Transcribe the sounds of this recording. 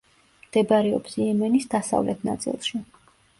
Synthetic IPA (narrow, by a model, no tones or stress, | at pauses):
md̪̥ɛbaɾɛɔpsiɛmɛnisd̪asa̰vlɛt̪ʰna̰t̪sʼḭlˠʃi